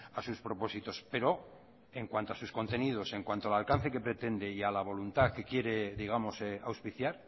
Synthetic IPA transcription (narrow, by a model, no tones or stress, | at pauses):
asuspɾo̞po̞sit̪o̞spe̞ɾo̞ | e̞ŋkwant̪oasusko̞nt̪e̞nið̞o̞se̞ŋkwant̪oalalkan̟θe̞ke̞pɾe̞t̪e̞nd̪e̞ialaβ̞o̞lunt̪ake̞kje̞ɾe̞ðiɣ̞amo̞seawspiθjaɾ